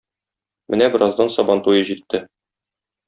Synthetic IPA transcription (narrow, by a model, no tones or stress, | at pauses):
mɘnæbɘ̆ɾʔɑzd̪ɑnsɒbɑnt̪ujɤʑit̪ʰːɘ